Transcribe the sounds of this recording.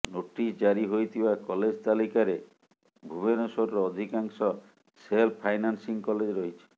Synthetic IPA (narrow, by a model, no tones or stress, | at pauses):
noʈisd͡ʒaɾiɦojt̪ʰibakɔled͡ʒt̪alikaɾe | bʱubenosoɾɾɔd̪ʱikaŋsɔ | selpʰajnansiŋkɔled͡ʒɾoɦit͡ʃʰi̥